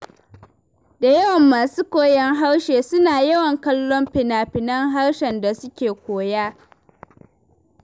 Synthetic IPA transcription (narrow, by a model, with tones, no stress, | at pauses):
da˨jɐ˦wɐ˨mːaː˨suː˦kʷoː˦˨jɛ˦ŋɦa˦rʃeː˨sʊ˦naː˨jɐ˦wɐ˨ŋkɐ˦lːɔ˦mpɪ˨naː˨ɸɪ˨nɐ˦ŋɦa˦rʃɛ˨nda˨sʊ˦kʲeː˨kʷoː˨jaː˦